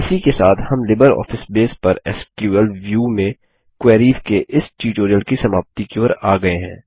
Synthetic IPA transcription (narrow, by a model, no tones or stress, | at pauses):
ɪsikesaːt̪ʰhɐmlɪbəɾɔ̰ːfɪsbeːspɐɾɛskjuːəlʋjuːmẽ | kwɛːɾiːfkeʔɪsʈiːʈoːɾijəlkisɐmaːʋt̪ikeɾaːɡɐeɦɛ̰̃ː